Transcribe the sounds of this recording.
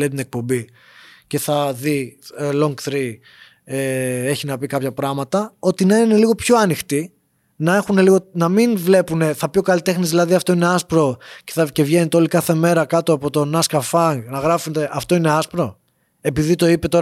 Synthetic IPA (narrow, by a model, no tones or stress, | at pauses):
let̪ine̞k̚po̞mbi | ce̞θɐðilo̞ŋɡθɾi | ee̞çinɐpikɐpçɐpɾɐɣmɐt̪ɐo̞t̪inɐiine̞liɣo̞pço̞ɐnixt̪i | nɐexune̞liɣo̞nɐminvle̞pune̞θɐpjokɐlit̪e̞xnizðilɐðiɐft̪o̞ine̞ɐspɾo̞ce̞θɐce̞vʝe̞net̪eo̞likɐθe̞me̞ɾɐkɐt̪oɐpo̞t̪o̞nɐskɐfɐŋɡnɐɣɾɐfut̪e̞ʔɐft̪o̞ineɐspɾo̞ | e̞piðit̪o̞ipe̞t̪o̞